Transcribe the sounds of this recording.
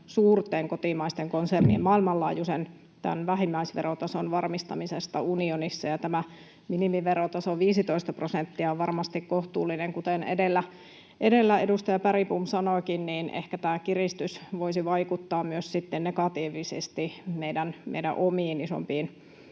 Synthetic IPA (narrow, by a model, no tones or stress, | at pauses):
suːrt̪ˑeːŋkot̪imɑist̪eŋkonsernḭːemmɑilmɑlːɑːjusen | t̪æ̰nʋæɦimːæisʋḛrot̪ɑsonʋɑrmist̪ɑmisest̪ɑunionisːɑjɑt̪æmæ | minimiʋerot̪ɑsoʋiːsit̪oist̪ɑprosent̪ːiæoʋʋɑrmɑst̪ikkoht̪uːlːineŋkut̪enḛdelːæ | ʔedelːæedust̪ɑjɑpæripumsɑnokinniːnʔḛhkæt̪æːkirist̪ysʋoisiʋɑikut̪ːɑːmmyøssit̪ːennekɑt̪iːʋisḛst̪imeidænmḛidæ̰ʔomiːniso̰mpiːn